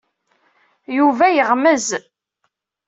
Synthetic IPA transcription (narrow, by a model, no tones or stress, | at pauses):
juvæjəʁməz